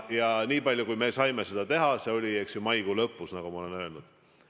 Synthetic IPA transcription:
jɑniːpɑlʲjukujme̞sɑjme̞se̞d̪̥ɑt̪e̞ɦɑse̞olʲieksjumɑjɡ̥ulɤpːˑusnɑɡ̥umɑo̞lenø̞ːlnud̪̥

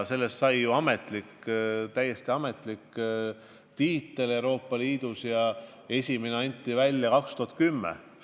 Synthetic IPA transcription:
se̞lːest̪sɑjjuɑme̞t̪ˑlikt̪æjːe̞st̪iɑme̞t̪ˑlikː | t̪iːt̪ːˑele̞wɾo̞ːpˑːɑliːd̪̥usjɑ | e̞sʲimeneɑnʲt̪ʲːˑivælʲːjɑkɑkst̪uhɑt̪̚kymːḛ

